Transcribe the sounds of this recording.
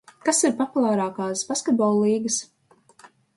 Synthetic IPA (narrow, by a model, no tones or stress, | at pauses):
kasiɾpɔpulˠaːɾaːkaːsbaskɛt̪̚bɔːlˠliːɡɐs